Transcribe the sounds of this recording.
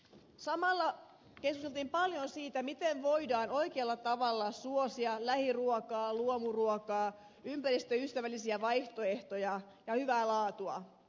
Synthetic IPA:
sɑmɑlːɑ | keskust̪elt̪iːmpɑljonsiːt̪æmit̪eʋʋo̞idɑːno̞ikeɑlːɑt̪ɑʋɑlːɑsuosiɑlæhiruokɑːluomuruokɑː | ympæɾist̪øyst̪æʋælːisiæʋɑjht̪oe̞ht̪ojɑ | jɑhyʋæːlɑːt̪uɑ̰

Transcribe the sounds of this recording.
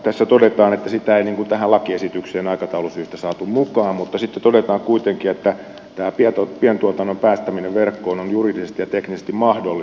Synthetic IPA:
t̪æsːæt̪odet̪ɑːnet̪ːæsit̪æeiniːŋkunt̪æhælɑkiesit̪ykseːnɑikɑt̪ɑulusyːst̪æsɑːt̪ummukɑːmmut̪ːɑsit̪ːet̪odet̪ɑːŋkuit̪eŋkiet̪ːæ | t̪æːpiɛt̪opiɛnt̪uot̪ɑnːompæːst̪æmineʋʋerkːoːnonjuriˑdisest̪ijjɑt̪eknisest̪immɑhdolːi

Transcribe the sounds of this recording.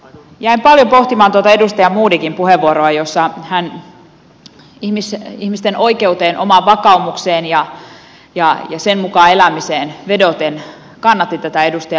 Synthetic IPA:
jæimpɑljopo̞ht̪imɑːnt̪uot̪ɑe̞dust̪ɑjɑmuːdikimpuheʋːuoɾoɑjosːɑhæn | ihmisihmist̪enʔo̞ike̞ut̪eːnʔo̞̰mɑʋʋɑkɑumukseːnjɑ | jɑjɑsenmukɑːe̞læmiseːnʋe̞dot̪en | kɑnːɑt̪ːit̪æt̪æe̞dust̪ɑjɑ

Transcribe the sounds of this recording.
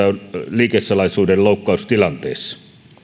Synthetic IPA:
æonliːkessɑlɑisuːdelloˑukːɑˑust̪ilɑnt̪ḛːsːɑ̥

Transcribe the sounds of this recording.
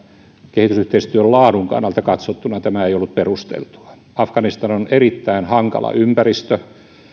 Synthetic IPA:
kehit̪ysyht̪eist̪yøllɑːduŋkɑ̰nːɑlt̪ɑkɑt̪sot̪ːunɑt̪æmæeiolːut̪̚perust̪ḛlt̪u̥ɑ̥ | ɑfkɑnist̪ɑnonerit̪ːæinhɑŋkɑ̰lɑ̰ʔympærist̪ø

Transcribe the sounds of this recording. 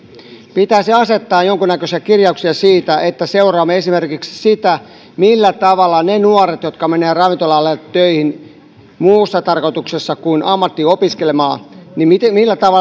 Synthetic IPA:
pit̪æsiɑset̪ːɑːjjoŋkunækøsiækirjɑuksiɑsiːt̪æʔet̪ːæseurɑːmːeesimerkiksi̥sit̪æ | milːæt̪ɑʋɑlːˑɑnenuoret̪jot̪kɑmeneːrɑʋint̪olɑlːett̪øihin | muːsːɑt̪ɑrkot̪uksesːɑkuinɑmːɑt̪ːiopiskelemɑːnimimilːæt̪ɑʋɑ

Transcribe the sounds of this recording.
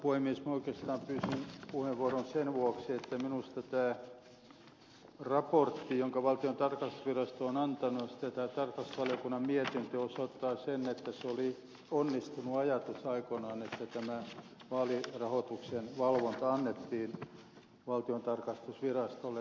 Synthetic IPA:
puhemːiesmɑoikest̪ɑːmpyːsinpuheʋʋuoronsenʋuoksiet̪ːæminust̪ɑt̪æː | rɑport̪ːijoŋkɑʋɑlt̪iont̪ɑrkɑst̪u̥sʋirɑst̪oonɑnt̪ɑnujɑsi̥t̪ːæt̪æːt̪ɑrkɑst̪ʋɑlijokunːɑmmiet̪int̪øosot̪ːɑːsenːet̪ːæseoli | onːist̪unuɑjɑt̪usɑikonɑːnet̪ːæt̪æmæ | ʋɑːlirɑhot̪uksenʋɑlʋont̪ɑɑnːet̪ːiːn | ʋɑlt̪iont̪ɑrkɑst̪usʋirɑst̪olːe

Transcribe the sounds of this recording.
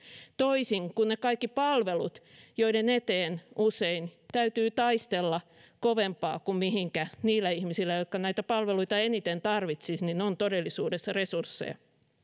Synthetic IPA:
t̪oisiŋkunnekɑikːipɑlʋelut̪joidenet̪eːnʔuseint̪æyt̪yːt̪ɑist̪elːɑ | koʋempɑ̰ːkummihiŋkæniːlːæihmisilːæjot̪kɑnæit̪æpɑlʋeluit̪ɑenit̪ent̪ɑrʋit̪sisninont̪odelːisuːdesːɑresursːḛjɑ̰

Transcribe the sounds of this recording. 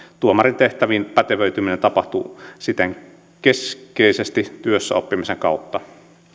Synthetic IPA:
t̪uomɑrint̪eht̪æʋinpæt̪eʋøyt̪yminent̪ɑpɑht̪usit̪eŋ | keskeisest̪it̪yøsːæ̰opːimiseŋkɑˑut̪ːɑ

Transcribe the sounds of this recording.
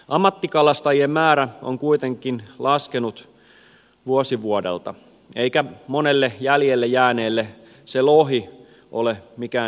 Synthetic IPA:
ʔɑmːɑt̪ːikɑlɑst̪ɑjiemmæːɾæo̰ŋkuit̪eŋkˑinlɑskenut̪ | ʋuosiʋuodḛlt̪ɑ̰ | eikæmonelːejæljelːejæːneːlːe | seloɦi | ʔo̰lemikæː

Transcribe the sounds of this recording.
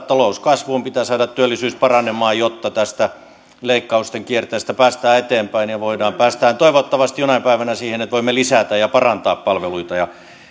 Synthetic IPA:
t̪ɑlouskɑsʋumpit̪æːsɑːdɑt̪t̪ːyølːisyːspɑrɑnemɑːjot̪ːɑt̪æst̪æ | leikːɑust̪eŋkiert̪eːst̪æpæːst̪æːet̪eːmpæinjɑʋoidɑːmpæːst̪æhːnt̪oiʋot̪ːɑʋɑst̪ijonɑipæiʋænæsiːhenet̪ʋoimːelisæt̪æjɑpɑrɑnt̪ɑːppɑlʋeluit̪ɑjɑ

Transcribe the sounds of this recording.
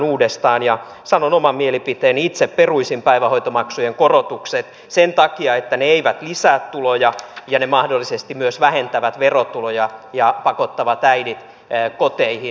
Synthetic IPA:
nuːdest̪ɑːnjɑ | sɑnonomɑmmielipit̪eːnit̪sepperuisimpæiʋæhojt̪omɑksujeŋkorot̪ukset̪ | sent̪ɑkiɑet̪ːæneeiʋæt̪lisæːt̪tːulojɑjɑnemɑhdolːisest̪imyøsʋæhent̪æʋæt̪ʋerot̪ulojɑjɑpɑkot̪ːɑʋɑt̪æidit̪ː | kot̪eihi

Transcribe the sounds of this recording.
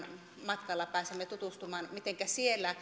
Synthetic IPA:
mɑt̪kɑlːɑpæːsemːet̪ut̪ust̪umɑːnmit̪eŋkæsielːæ

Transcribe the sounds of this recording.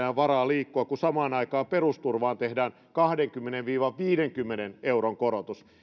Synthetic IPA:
æːʋʋɑrɑːliːkːoɑkusɑmɑːnɑikɑːmperust̪urʋɑːnt̪ehdæːn | kɑhdeŋkymːeneʋʋiːʋɑʋʋiːdeŋkymːeneneuroŋkoɾot̪us

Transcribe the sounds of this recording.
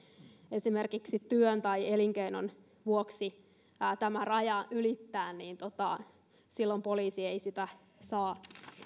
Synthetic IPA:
esimerkiksit̪yønt̪ɑieliŋkeinon | ʋuoksi | t̪æmærɑjɑʔylit̪ːæːnniːnt̪ot̪ɑ | silːompoliːsieisit̪æ | sɑː

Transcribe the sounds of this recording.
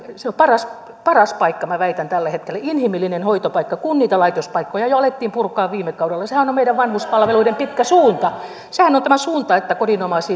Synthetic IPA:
seompɑrɑs | pɑrɑspɑikːɑmæʋæit̪ænt̪ælːæhet̪kelːæinhimilːinenhoit̪opɑikːɑkunniːt̪ɑlɑit̪ospɑikːojɑjoɑlet̪ːiːmpurkːˑɑːʋʋiːmːekɑudelːɑsehænomeiɾæʋʋɑnhuspɑlʋeluidempit̪kæsuːnt̪ɑ | sehænont̪æmæsuːnt̪ɑet̪ːækodinomɑsiː

